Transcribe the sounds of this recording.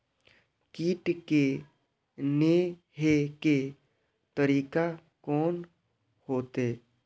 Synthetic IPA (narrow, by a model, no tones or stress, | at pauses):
kiːʈke | ne | ɦeke | t̪əɾiːka | kɔːn | hoːt̪eː